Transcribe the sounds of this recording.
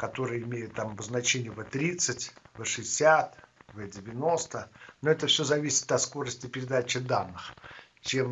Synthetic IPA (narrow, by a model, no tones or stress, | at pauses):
kɐt̪o̞ɾɨjəɪmʲejʊt̪t̪ːamɐbəznɐt͡ɕenʲɪjəvət̪ɾʲit̪sɨtʲvɨʂɨɪsʲat̪vədʲɪvʲɪno̞st̪ənoɛt̪əfsʲo̞zɐvʲisʲɪ̥t̪ɐt̪sko̞ɾəsʲtʲɪpʲɪɾʲɪd̪at͡ɕɪd̪anːɨx | t͡ɕe̞m